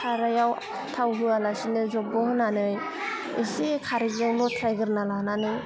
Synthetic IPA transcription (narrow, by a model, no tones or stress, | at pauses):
tʰaɾajaw | tʰawɦɯalasinɯzɔp̚bɔhɯnanɯj | esikʰaɾiɡzawlɔtʰɾajɡɯɾnalananɯj